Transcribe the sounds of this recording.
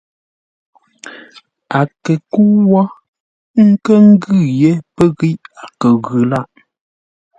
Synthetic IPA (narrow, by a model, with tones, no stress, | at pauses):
a˨kə˨ku˦wɔ˦ | ŋ̩˦kə˦ŋ̩˦ɡʉ˦˨je˦pə˦ɣi˦ʔa˨kə˨ɣʉ˨la˦ʔ